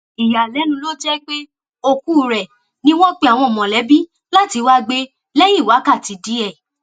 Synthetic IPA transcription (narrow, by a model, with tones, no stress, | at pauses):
i˨ja˨lɛ˨˦nũ˧˦lo˦d͡ʒɛ˦k͡pe˦ | o˧ku˦˨ɾɛ˨ | nĩ˦w̃ɔ̃˦k͡pe˧a˨w̃ɔ̃˧˨mɔ̃˨lɛ˨˦bi˦ | la˦ti˧wa˦ɡ͡be˧˦ | lɛ˦ji˦˨wa˨˦ka˦˨ti˨˧di˦ɛ˦˨